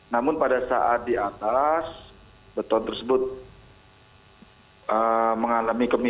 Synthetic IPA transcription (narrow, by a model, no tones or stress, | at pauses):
namʊnpadasa̰ʔat̪̚diat̪as | bət̪ɔnt̪ərsəbʊt̪̚ | əməŋalamikəmi